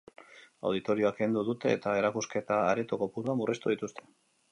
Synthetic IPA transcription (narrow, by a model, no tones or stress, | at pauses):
a̰wð̞it̪o̞ɾio̞aknd̪uðut̪e̞ːt̪ae̞ɾakuske̞t̪aːɾet̪oko̞puɾuamurʔet̪uð̞it̪ust̪e̞